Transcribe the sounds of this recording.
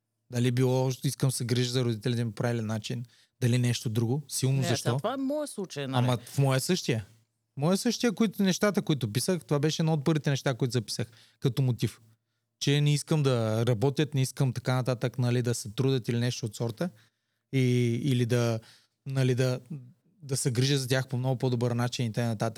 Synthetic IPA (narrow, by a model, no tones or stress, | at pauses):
d̪ɐlibilˠɔiskəmsɛɡɾiʒəzɐɾʊd̪it̪ɛlid̪ɐmipɾailɛnat͡ʃin | d̪ɐlinɛʃt̪od̪ɾuɡosilˠnozɐʃt̪ɔvaɛmɔjəslˠut͡ʃəjnamɐfmɔjəsɤʃt̪ijə | mɔjəsɤʃt̪ijəkoit̪nɛʃt̪at̪əkoit̪ʊpisəxt̪ovabɛʃɛd̪nɔot̪̚pəɾvit̪ɛnɛʃt̪akoit̪ʊzɐpi̥səx | kɐt̪omot̪if | t͡ʃɛnɛiskəmd̪ɐɾɐbɔt̪ʲjət̪nɛiskəmt̪ɐkanɐt̪at̪əknɐlid̪ɐsɛt̪ɾud̪ət̪ilinɛʃt̪oːt̪sɔɾt̪ə | iiːlid̪ɐ | nɐlid̪ɐ | d̪ɐsɛɡɾiʒət̪zɐt̪ʲjaxpomnɔɡʊpod̪obəɾnat͡ʃinit̪ɐkajnɐt̪at̪ək̚